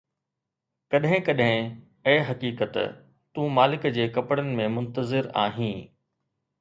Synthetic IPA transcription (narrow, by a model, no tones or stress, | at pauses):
kɐɗɦɪ̃kɐɗɦɪ̃ | ɛ̃ːɦɐkiːkət̪ | t̪ũːmaːlɪkd͡ʑeːkɐpɽənɪ̆mẽmʊ̃nt̪əzɪɾa̰ːɦĩː